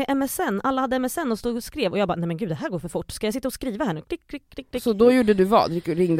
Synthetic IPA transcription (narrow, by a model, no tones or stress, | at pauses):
ɛʔɛmɛsɛnːʔalːahad̪ːəɛmɛsɛnːɔst̪uːɡskɾeːvɔjɑːɡ̚bɑːnɛjmɛnɡʉ̟d̪d̪ɛɦæːɾɡoːɾfœɾfʊʈːskajajsɪt̪ːaɔskɾiːvahæːɳʉ̟ːkʰlɪkʰlɪkʰːlɪkːɪsɔd̪ɔjuːɖəd̪ɵvɑ̰ːd̪ɾkːɾɪŋd̪